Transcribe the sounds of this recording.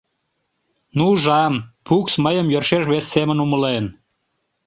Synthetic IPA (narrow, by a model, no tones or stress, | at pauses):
nuʒɑmpuksməjəmjørʃeʃβesːemənuməlen